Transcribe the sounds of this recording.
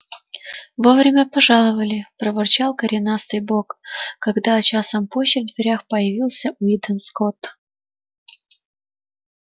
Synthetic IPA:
vovɾʲɪmʲəpɐʐɑlˠəvəlʲɪpɾəvərt͡ɕalˠkəɾʲɪnast̪ɨjbokkɐɡd̪at͡ɕasəmpoɕːɪvd̪vʲɪɾʲaxpəjɪvʲilˠsʲəʔʊid̪ʲənskot̪

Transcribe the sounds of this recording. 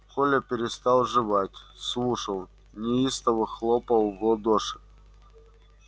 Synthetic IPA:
kolʲəpʲɪɾʲɪst̪ɑlˠʐɨvatʲslˠuʂəlˠ | nʲɪist̪əvɨxlˠopəlˠvod̪oʂɨ̥k

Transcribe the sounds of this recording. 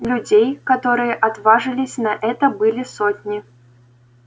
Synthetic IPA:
lʲʊd͡zʲejkat̪oɾɨjəʔɐt̪vaʐɨlʲɪsʲnɐʔɛt̪əbɨlʲɪsotʲnʲi

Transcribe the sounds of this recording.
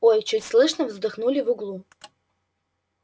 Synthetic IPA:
ojt͡ɕutʲslˠɨʂnəvzd̪ɨxnulʲivʊɡlˠu

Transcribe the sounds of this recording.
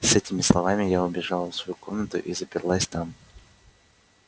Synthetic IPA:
sɛtʲɪmʲɪslˠɐvamʲɪjaʊbʲɪʐalˠfsvɐjuko̞mnət̪ʊ̰ʔizəpʲɪrlˠasʲt̪am

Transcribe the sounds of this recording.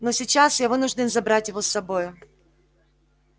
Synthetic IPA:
nosʲɪt͡ɕːasjavɨnʊʐdʲɪnzɐbɾatʲjɪvo̞sːɐbo̞jʊ

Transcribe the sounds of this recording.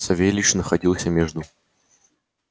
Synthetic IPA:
sɐvʲelʲiʂnəxɐdʲilˠsʲəmʲeʐd̪ʊ

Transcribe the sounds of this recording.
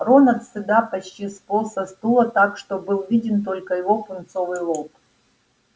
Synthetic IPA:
ronɐrt̪sɨd̪apɐt͡ɕtʲisp̪osɐst̪ulˠət̪akʂt̪obɨlˠvʲidʲɪnt̪̬o̞lʲkəjɪvo̞pʊnt̪sovɨjlˠop

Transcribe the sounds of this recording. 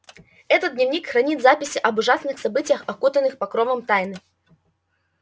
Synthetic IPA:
ɛt̪ət̪dʲnʲɪvnʲikxɾɐnʲit̪zapʲɪsʲɪʔɐbʊʐasnɨxsɐbɨtʲɪjəxɐkut̪ənːɨxpɐkɾovəmt̪ajnɨ

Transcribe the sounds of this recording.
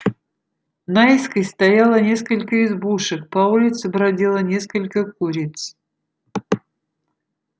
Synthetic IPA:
naɪskəjst̪ɐjalˠənʲe̞skəlʲkəɪzbuʂɨkpɐulʲɪt̪sɨbɾɐdʲelˠənʲe̞skəlʲkəkuɾʲɪt̪s

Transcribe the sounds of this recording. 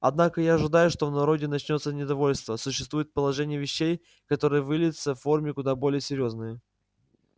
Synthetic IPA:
ɐd̪nakəjaɐʐɨd̪ajʊʂt̪o̞vnɐɾo̞dʲɪnɐt͡ɕnʲo̞t̪sənʲɪd̪ɐvo̞lʲst̪vəsʊɕːɪst̪vujɪt̪̚pəlˠɐʐɛnʲɪjəvʲɪɕːej | kɐt̪o̞ɾɨjəvɨlʲɪdʲɪt̪səfːo̞rmʲɪkʊd̪abo̞lʲɪjəsʲɪɾʲjo̞znɨjə

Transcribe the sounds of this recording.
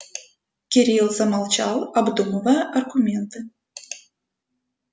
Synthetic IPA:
kʲeɾʲilˠzɑmɑlˠt͡ɕɑlˠɑbd̪umovɑɐrɡumʲent̪ɨ

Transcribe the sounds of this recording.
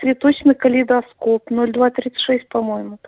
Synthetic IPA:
svʲɪt̪ot͡ɕnɨkəlʲɪd̪ɐskopnolʲd̪vat̪ɾʲit̪sɨ̥t̪ʲʂɛsʲt̚ʲpɐmojɪmʊ

